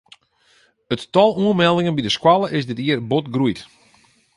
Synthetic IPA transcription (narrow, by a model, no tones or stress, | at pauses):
ətːɔlˠuənmɛlˠdɪŋənbidəskwalˠəʔɪsdɪtiərbotɡrujt